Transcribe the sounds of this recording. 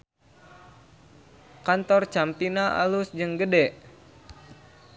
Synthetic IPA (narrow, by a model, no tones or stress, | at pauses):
kant̪ɔrt͡ʃampinaʔa̰lusd͡ʒɨŋɡədɛʔ